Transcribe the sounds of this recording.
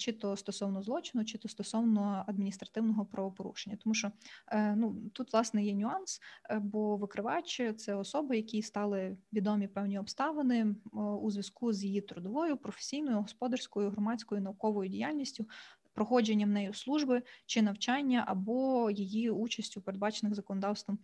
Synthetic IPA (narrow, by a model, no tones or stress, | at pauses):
t͡ʃɪt̪ɔst̪ɔsɔwnɔzlˠɔt͡ʃɪnʊt͡ʃɪt̪ɔst̪ɔsɔwnɔɐd̪̚mʲinʲist̪ɾɐt̪ɪwnɔɦɔpɾɐʋɔpɔɾṵʃenʲːɐt̪ɔmuʃɔnut̪ut̪ʋlˠɑsnɛjɛnʲʊɑnsbɔʋɪkɾɪʋɑjt͡ʃʲet̪sɛɔsɔbɪjɐkʲist̪ɑlˠɪʋʲid̪ɔmʲipɛwnʲiɔpst̪ɑʋenɪuzʲʋʲjɐskuzjijit̪ɾʊd̪ɔʋɔjʊpɾɔfe̥sʲijnɔjʊɦɔspɔd̪ɐrsʲkɔjʊɦrɔmɑt͡sʲkɔjʊnɐʊkɔʋɔjʊdʲijalʲnʲisʲtʲʊpɾɔxɔd͡ʒenʲːɐmnɛjʊslˠuʒbɪt͡ʃɪnɐwt͡ʃɑnʲːɐʔɐbɔjijiut͡ʃɐsʲtʲʊpeɾed̪bɑt͡ʃenɪɣzɐkɔnɔd̪ɑwst̪ʋɔm